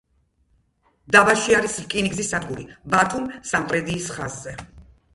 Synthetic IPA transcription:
d̪abaʃiaɾislkʼiniɡzisːad̪ɡuɾibat̪ʰumsampʼɾɛd̪iːsχazːɛ

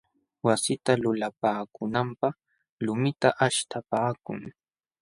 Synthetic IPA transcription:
wasɪt̪alʊlapaːkʊnampɑχ | lʊmɪt̪aʔaʃt̪apaːkʊŋ

